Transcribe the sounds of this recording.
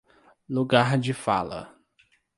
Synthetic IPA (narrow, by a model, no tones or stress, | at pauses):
luɡaɾd͡ʒɪfa̰lɐ̰